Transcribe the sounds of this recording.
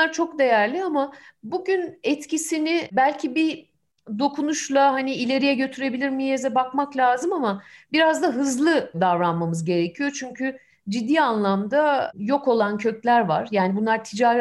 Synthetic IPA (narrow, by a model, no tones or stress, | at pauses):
aɾt͡ʃʰo̞kd̪e̞jæɾlʲiamabuɟynɛt̪cisinɪbælʲcʰibi | d̪o̞kʰunuʃlˠahaniilʲe̞ɾijɛɟø̞t̪ʰyɾe̞bilʲiɾmijezɛbakmaklʲaːzɯmamabiɾazd̪aɦɯzlˠɯd̪avɾanmamɯzɟe̞ɾecʰijo̞t͡ʃʰyɲcʰy | d͡ʒid̪ːiːanlˠamd̪ajo̞ko̞lˠancʰø̞clʲæɾvaɾ̥jaːnibunˠaɾt̪ʰid͡ʒaːɾ